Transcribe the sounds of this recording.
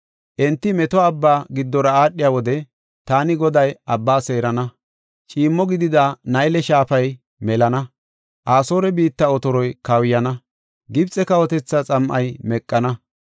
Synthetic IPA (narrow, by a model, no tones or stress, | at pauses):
ʔɛnt̪ːɪmɛt̪ɔɐbːaːɡɪd̪ːɔɾɐaːɗːɪjawɔd̪ɛ | t̪aːnɪɡɔd̪ɐjɐbːaːse̞ːɾɐnɐ | t͡ʃʼiːmːɔɡɪd̪ɪd̪anɐjlɛʃaːpɐj | mɛlɐnɐ | ʔaːso̞ːɾɛbiːt̪ːɐɔt̪ɔɾɔjkɐwjɐnɐ | ɡɪbt͡sʼːɛkɐwɔt̪ɛt͡sːɐt͡sʼɐmʔɐjmɛkʼːɐnɐ